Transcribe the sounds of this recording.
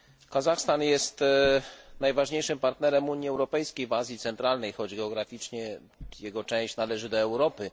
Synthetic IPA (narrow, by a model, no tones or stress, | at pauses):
kazaxst̪anjɛst̪ | najvaʐɲejʂɘmpaɾt̪nɛɾɛmuɲiɛwɾɔpɛjskʲejvazʲjit̪sɛnt̪ɾalnɛjxɔd͡ʑɡɛɔɡɾafʲit͡ʂɲɛ | jɛɡɔt͡ʂɛ̃w̃ɕt͡ɕnalɛʐɘd̪ɔɛwɾɔpɘ